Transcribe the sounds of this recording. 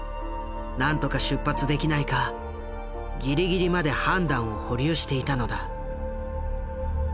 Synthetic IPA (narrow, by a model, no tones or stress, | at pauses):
nãnt̪o̞kaɕɨpːat͡sɨd̪e̞kʲinaika | ɡʲiɾʲiɡʲiɾʲimad̪e̞hãnd̪ãɰ̃o̞ho̞ɾʲioɕi̥t̪e̞it̪ano̞d̪a